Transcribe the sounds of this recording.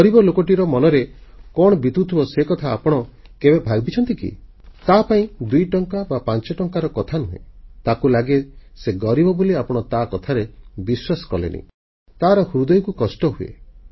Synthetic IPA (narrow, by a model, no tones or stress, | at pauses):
ɡɔɾibɔlokɔʈiɾɔmɔnɔɾekɔɽ̃ɔbit̪ut̪ʰibɔsekɔt̪ʰaːpɔɽ̃ɔkebebʱaɡɔbit͡ʃʰɔnt̪ikḭ | t̪apaĩd̪ujʈɔŋkabapant͡ʃɔʈɔŋkaɾɔkɔt̪ʰanuɦḛ̃t̪akulaɡeseɡɔɾibɔboliapɔɽ̃ɔt̪akɔt̪ʰaɾebiswasɔ̥kɔlḛnḭ | t̪aɾɔhuɾud̪ɔjkukɔsʈɔɦuḛ